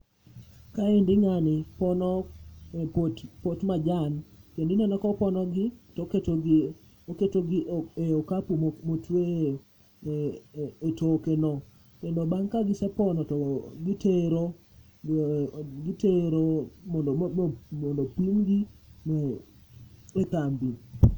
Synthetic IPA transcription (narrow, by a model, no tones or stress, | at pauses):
kaendɪŋanɪpɔnɔ | ptpotmad͡ʒanpjendɪnɛnakɔpɔnɔɡɪtɔketoɡ | oketoɡɪʔeokapummotwe | etokenɔ | kendobaŋkaɡɪsɛpɔnɔtɔɡɪteɾo | ɡiteɾomɔndmɔndopimɡimɛ | et̪ambi